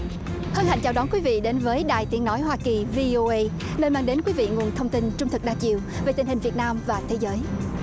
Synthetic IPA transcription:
hə˧nha̰˧˨jŋt͡ɕaː˨˩wɗɔ˨˦nkwi˨˦vḭ˧˨ɗe˨˦nvəː˨˦jɗaː˨˩jt̪i˨˦ənːɔ˨˦jɦwaː˧ki˨˩vi˧ʔo˧ʔə˧j | nəː˧jmaː˧ŋɗe˨˦nkwi˨˦vḭ˧˨ŋu˨˩ənt̪ʰə˧wŋ͡mt̪i˧nt͡ɕʊ˧ŋ͡mt̪ʰɨ˨˩k̚ɗaː˧t͡ɕḭ˧˨əwve˨˩t̪ï̟˨˩hï˨˩ŋ̟vi˨˩ət̚naː˧mvaː˨˩t̪ʰe˨˦zəː˨˦j

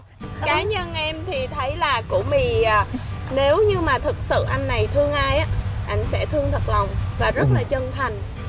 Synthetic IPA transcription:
kaː˨˦ɲə˧nʔɛ˧mt̪ʰi˨˩t̪ʰə˨˦jlaː˨˩kṵ˧˥əmi˨˩aː˨˩ne˨˦wɲɨ˧maː˨˩t̪ʰɨ˨˩k̚sɨ̰˧˨ʔa˧jŋ̟ːa˨˩jt̪ʰɨ˧əŋʔaː˧jʔaː˨˦˥ʔa˧jŋ̟sɛ̰˧˥t̪ʰɨ˧əŋt̪ʰə˨˩t̚la˨˩wŋ͡mvaː˨˩zə˦˥t̚laː˨˩t͡ɕə˧nt̪ʰa˨˩ŋ̟

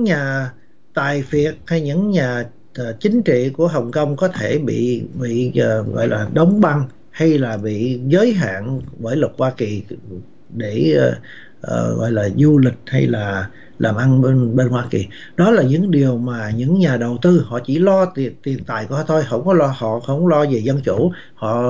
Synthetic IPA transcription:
ŋɲaː˨˩ | t̪a̰ː˧˨jfi˨˩ət̚ha˧jɲɨ̰˧˥ŋɲaː˨˩˨ | t͡ɕï˨˦ŋ̟t͡ɕḭ˧˨ku˧˩əɦə˨˩wŋ͡mkə˧wŋ͡mkɔ˨˦t̪ʰe˧˩ɓḭ˧˨ɓḭ˧˨˩ɣɔ̰˧˨jlaː˨˩ɗə˨˦wŋ͡mɓa˧n | ha˧jlaː˨˩ɓḭ˧˨zəː˨˦jɦa̰ː˧˨nvəː˧˦jlwə˨˩t̚hwaː˧ki˨˩ | ɗe˧˩˨ | ʔəː˨˩ɣɔ̰˧˨jlaː˨˩zu˧lï˨˩k̟̚ha̰˧jlaː˨˩ | laː˨˩mʔa˧n˧nɓe˧nhwaː˧ki˨˩ | ɗɔ˨˦laː˨˩ɲɨ̰˧˥ŋɗi˨˩əwmaː˨˩ɲɨ̰˧˥ŋɲaː˨˩ɗə˨˩wt̪ɨ˧hɔ̰˧˨t͡ɕi˧˩lɔ˧˨t̪i˨˩ənt̪a̰ː˧˨jku˧˦˧t̪ʰo˧jɦɔ̰˧˥wŋ͡mkɔ˨˦lɔ˧hɔ̰˧˨xə˧˥wŋ͡mlɔ˧zi˨˩zə˧nt͡ɕu˧˩˨ | hɔ̰˧˨

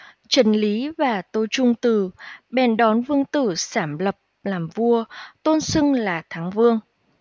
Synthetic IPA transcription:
t͡ɕə˨˩nli˨˦vaː˨˩t̪o˧jt͡ɕʊ˧ŋ͡mt̪ɨ˨˩ɓɛ˧˩nɗɔ˨˦nvɨ˧əŋt̪ɨ˧˩saː˧˩mlə˨˩p̚laː˨˩mvu˧ət̪o˧nsɨ˧ŋlaː˨˩t̪ʰaː˨˦ŋvɨ˧əŋ

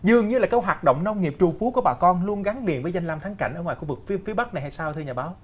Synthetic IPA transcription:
zɨ˨˩əŋɲɨ˧laː˨˩kə˧˦wɦwaː˨˩t̚ɗo̰˧˨wŋ͡mna˧wŋ͡mŋi˨˩əp̚t͡ɕu˨˩fu˨˦ku˧˩əɓaː˨˩kɔ˧nlu˧ənɣa˨˦ŋli˨˩ənvəː˨˦jza˧jŋlaː˧mt̪ʰaː˨˦ŋka̰˧˩ŋ̟ʔəː˧˩ŋwaː˨˩jxu˧vɨ˨˩k̚fi˨˦fi˨˦əɓa˦˥k̚na˨˩ha˧jsaː˧wt̪ʰɨ˧ɲaː˨˩ɓaː˨˦w

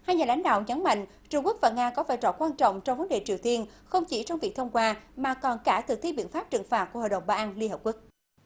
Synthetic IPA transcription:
haː˧jɲaː˨˩la̰˨˦jŋ̟ɗa̰ː˧˨wɲə˨˦nma̰˧˨ŋ̟ | t͡ɕu˧ŋ͡mku˦˥ək̚vaː˨˩ŋaː˧kɔ˨˦vaː˧˩jt͡ɕɔ̰˧˩kwaː˧nt͡ɕɔ̰˧˨wŋ͡mt͡ɕɔ˧wŋ͡mvə˨˦nɗḛ˧˩t͡ɕi˨˩əwt̪i˧ən | xə˧wŋ͡mt͡ɕi˧˩t͡ɕɔ˧wŋ͡mvi˨˩ək̚t̪ʰə˧wŋ͡mkwaː˧maː˨˩kɔ˨˩nkaː˧˩t̪ʰɨ˨˩k̚t̪ʰi˧ɓḭ˧˨ənfa˦˥p̚t͡ɕɨ˨˧˩ŋfaː˨˩t̚ku˧˩əho̰˧˨ɗə̰˨˧˩wŋ͡mɓaː˧ʔaː˧nli˧ənɦə˨˩p̚ku˦˥k̚

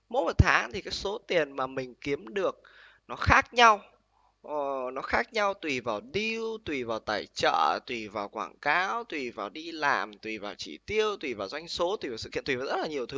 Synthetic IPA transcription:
mo˨˦˥mo˨˩t̪ʰaː˨˦ŋt̪ʰi˨˩kaː˨˦jso˨˦t̪i˨˩ənmaː˨˩mï˨˩ŋ̟ki˨˦əmɗɨ˨˩ək̚ | nɔ˨˦xaː˦˥k̚ɲa˧w | nɔ˨˦xaː˦˥k̚ɲa˧wt̪wi˨˩vaː˨˩wɗi˧wt̪wi˨˩vaː˨˩wt̪aː˧˩jt͡ɕə̰ː˧˨t̪wi˨˩vaː˨˩wkwaː˧˩ŋkaː˨˦wt̪wi˨˩vaː˨˩wɗi˧la̰ː˨˩mt̪wi˨˩vaː˨˩wt͡ɕḭ˧˩t̪i˧əwt̪wi˨˩vaː˨˩wzwa˧jŋ̟so˨˦t̪wi˨˩vaː˨˩sɨ̰˧ḭ˧˨t̪wiː˨˩zt̚laː˨˩ɲi˨˩əwt̪ʰɨ˨˦

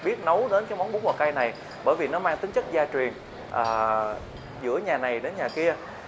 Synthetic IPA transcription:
ɓi˦˥ət̚nə˨˦wɗe˨˦nt͡ɕa˧˦ŋ͡mma˨˦wŋ͡mɓu˨˦ŋwaː˨˩kaː˧jna˨˩j | ɓə̰ː˧˩jvi˨˩nɔ˨˦maː˧ŋt̪i˨˦ŋt͡ɕə˦˥t̚zaː˧t͡ɕwi˨˩ən | ʔəː˨˩ | zɨ̰˧˥əɲaː˨˩na˨˩jɗe˨˦nɲaː˨˩ki˧ə

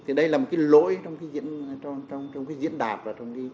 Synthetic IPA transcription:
t̪ʰi˨˩ɗə˧jlaː˨˩mo˨˩kaː˨˦jlo̰˧˥jt͡ɕɔ˧wŋ͡mkaː˨˦jzḭ˧˥ən˧ɔ˧t͡ɕɔ˧wŋ͡mt͡ɕwŋ͡mkaː˨˦jzḭ˧˥ənɗaː˨˩p̚laː˨˩t͡ɕɔ˧wŋ͡mki˨˦

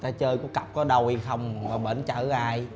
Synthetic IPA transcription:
t̪aː˧˩t͡ɕəː˧jku˨˦˥ka˨˩p̚kɔ˨˦ɗə˧wi˧xə˧wŋ͡mə˨˩ɓəː˧˩nt͡ɕəː˧˩aː˧j

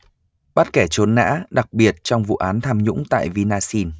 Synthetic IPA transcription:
ɓa˦˥t̚kɛ˧˩t͡ɕo˨˦nːa̰ː˧˥ɗa˨˩k̚ɓi˨˩ət̚t͡ɕɔ˧wŋ͡mvṵ˧˨ʔaː˨˦nt̪ʰaː˧mɲʊ̰˧˥ŋ͡mt̪a̰ː˧˨jvi˧naː˧si˧n

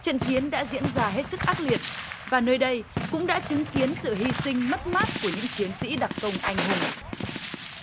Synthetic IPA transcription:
t͡ɕə̰˧˨nt͡ɕi˨˦ənɗa̰ː˧˥zḭ˧˥ənzaː˧ɦe˦˥t̚sɨ˦˥k̚ʔaː˦˥t̚li˨˩ət̚vaː˨˩nəː˧jɗə˧jkʊ̰˧˥ŋ͡mɗa̰ː˧˥t͡ɕɨ˨˦ŋki˨˦ənsɨ̰˧˨ɦi˧sï˧ŋ̟mə˦˥t̚maː˦˥t̚ku˧˩əɲɨ̰˧˥ŋt͡ɕi˨˦ənsḭ˧˥ɗa˨˩k̚kə˧˩wŋ͡mʔa˧jŋɦʊ˨˩ŋ͡m

